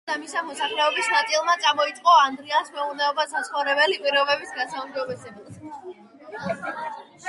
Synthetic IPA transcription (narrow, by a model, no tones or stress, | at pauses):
d̪amisamɔsaχlɛɔbisnat̪sʼilˠmat̪sʼamɔit̪sʼqʼɔand̪ɾiansmɛuɾnɛɔbasasχɔvɾɛbɛlipʼiɾɔvɛbisɡasaumd͡ʒɔbɛsɛbas